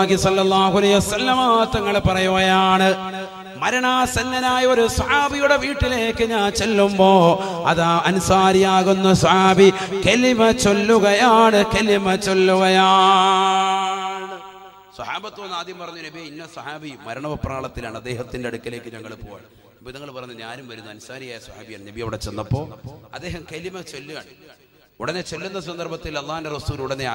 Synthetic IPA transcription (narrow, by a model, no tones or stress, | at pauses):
ɣisɐlːɐlːaːhuɐlɐjʋɐsɐlːɐmaːt̪ːɐŋːɐɭpɐrɐjuɣɐjaːɳɨ | mɐɾɐɳaːsɐnːɐnaːjɐo̞ɾusɐħaːbijuɽe̞ʋiːʈːile̞ːkːɨɲaːnt͡ɕe̞lːumbo̞ː | ɐ̰ðaːɐnusaːɾijaːɣunːɐsɐhaːbikelimɐt͡ɕo̞lːuɣɐjaːɳɨkelimɐt͡ɕolːuɣɐjaː | ɳ | sɐhaːbɐt̪ːuʋnːaːd̪jɐmpɐrɐɲːunɐbiɐinːesɐhaːbimɐɾɐɳɐʋɐpːraːɭɐt̪ːilaːɳɐd̪ːe̞ːɦɐt̪ːindeɐɽukːɐleːkːɨɲɐŋːɐɭpo̰ːja̰ | bonɐŋːɐɭpɐrɐɲːɐɲaːnumʋɐɾunːuɐnusaːɾijaːjɐsɐha̰ːbijaːɳɨnɐbijɐʋiɽet͡ɕe̞nːɐpːo̞ːɐd̪ːe̞ːɦɐmkelimɐt͡ɕo̞lːuɣɐːɳ | uɽɐnet͡ɕe̞lːunːɐs̬ɐnd̪ɐrbɐt̪ːilɐlˠːaːhunderɐsuːluɽɐnːe